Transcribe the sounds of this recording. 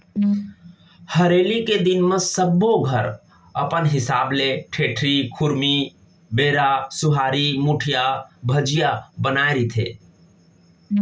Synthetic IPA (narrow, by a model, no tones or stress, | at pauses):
həɾeːliked̪inmə̃səbːoɡʱəɾ | əpənɦɪsa̰ːbleʈʰeːʈʰɾikʰʊɾmi | beɾasʊɦaːɾimuʈʰijabʱəd͡ʒijabənaeɾit̪ʰḛ